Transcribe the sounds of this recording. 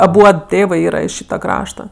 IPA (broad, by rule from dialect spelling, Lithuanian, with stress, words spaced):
ɐˈbuɔt ˈtʲeːʋɜ ˈiːrɐ ɪʃ ˈʃʲiːtɐ ˈkrɑːʃtɐ